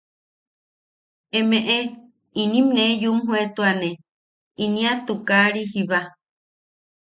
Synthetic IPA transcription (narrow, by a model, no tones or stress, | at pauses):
emeʔe | inĩmnejumɦuet̪uane | inĩat̪ukaɾiɦiβa